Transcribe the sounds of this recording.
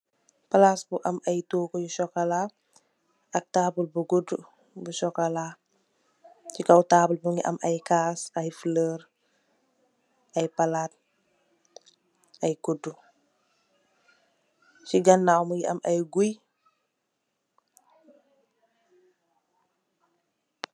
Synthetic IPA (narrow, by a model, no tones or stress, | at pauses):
palasbuʔɐmɐjtokojuʃɔkɐla | ɐk̚taːbulbuɡudu | buʃɔkala | t͡ʃikɐwtaːbulbuŋiʔɐ̰mɐjkaːsɐjfələːɾ | ɐjpalaːt̚ | ɐjkudu | siɡɐnːawmujiʔɐmɐjɡuj